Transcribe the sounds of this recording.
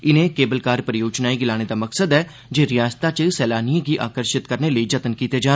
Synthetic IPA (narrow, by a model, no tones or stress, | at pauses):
ɪnẽːkeːbəlkaːɾpəɾjoːd͡ʒnaːiːɡɪlaːɽ̃eːd̪aːməksəd̪ɛː | d͡ʒeːɾɪjaːst̪aːt͡ʃsɛːlaːniaɡiːʔaːkəɾʃɪt̪kəɾneːləiːd͡ʒət̪ənkiːt̪eːd͡ʒaː